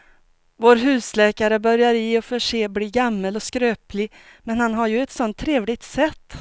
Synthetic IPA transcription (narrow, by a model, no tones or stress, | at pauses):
voːɾɦʉ̟ːslɛːkaɾəbœɾjaɾiːɔfœʂeːbliːɡamːəlɔskɾøːplɪ | mɛnhanɦaɾjɵɛt̪sɔnt̪ʰːɾeːvlɪt̪sɛt̪ː